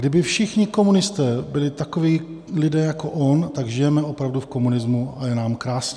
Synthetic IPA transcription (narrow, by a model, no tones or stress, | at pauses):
ɡdɪbɪfʃɪxɲɪko̞munɪst̪ɛːbɪlɪt̪akoviː | lɪdɛːjako̞ʔont̪aɡʒɪjɛmɛo̞pɾavdufko̞munɪzmuajɛnaːmkɾaːsɲɛ